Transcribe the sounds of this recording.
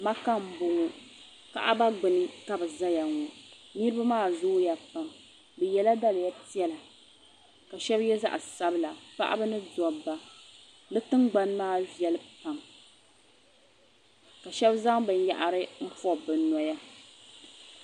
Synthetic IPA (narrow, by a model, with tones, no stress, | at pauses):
ma˦ka˦m̩˨bʊ˨ŋʊ˨ | ka̰˨ʔa˦ba˦ɡ͡bɨ˨nɨ˦ka˨bɨ˨za˦ja˨ŋɔ˨ | ni˦ɾɨ˦ba˦maː˦˨zʊ˦ja˨pa˨m | bɨ˨jɛ˦la˦da˦lɨ˨ja˦ti˦ɛ˦la˨ | ka˨ʃɛ˦bjɛ˦za̰˦ʔa̰˨sa˦bɨ˦la˨pa̰˦ʔa̰˦bɨ˦nɨ˦dɔ˨ba˨ | nɨ˦tɨ˦ŋɡ͡ba˦n˦maː˦˨vjɛ˦lɨ˦pa˨m | ka˨ʃɛ˦bza˦ŋbɨ˨n˦ja̰˨ʔa˨ɾɨ˦m̩˦fɔ˦bɨ˨nɔ˨ja˦